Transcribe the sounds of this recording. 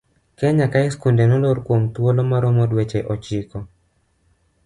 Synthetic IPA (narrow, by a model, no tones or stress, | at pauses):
kɛɲakaɪskundenɔloɾkwomt̪wolomaɾɔmɔdwet͡ʃeʔɔt͡ʃɪkɔ